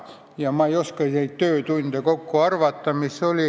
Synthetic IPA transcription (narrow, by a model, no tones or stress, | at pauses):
jɑmɑeijoskɑineit̪t̪øːt̪und̪̥ekokːoɑrʋɑt̪ːɑmisolʲi